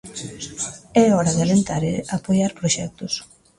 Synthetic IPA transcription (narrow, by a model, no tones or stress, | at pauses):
ɛɔɾaðalent̪aɾeapojaɾpɾoʃɛk̚t̪ʊs